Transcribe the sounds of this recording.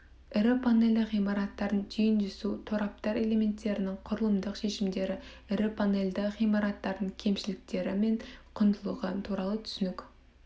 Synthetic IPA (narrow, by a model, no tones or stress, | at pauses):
ɪɾɪpʰane̞ld̪ɪqijmɑɾɑt̪ːɑɾənʒijɪnʒʏsut̪ʰoɾɑp̚t̪ɑɾe̞le̞me̞nt̪ːe̞ɾɪnɪŋqʰʊɾəlˠəmd̪əqʃe̞ʃɪmd̪e̞ɾɪ | ɪɾɪpʰane̞ld̪ɪχijmɑɾɑt̪ːɑɾd̪əɴkʲʰe̞mʃɪlɪk̚t̪e̞ɾɪme̞ɴqʰʊnd̪əlˠuʁət̪ʰuɾɑlˠət̪ʰʏ̥sʏnɪk